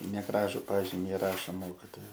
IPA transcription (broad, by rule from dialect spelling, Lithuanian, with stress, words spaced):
nʲɛˈɡrɑːʒʊ ˈpɑːʒʲɪmʲɪ ɪˈrɑːʃoː ˈmoːkʲɪtoːjɛ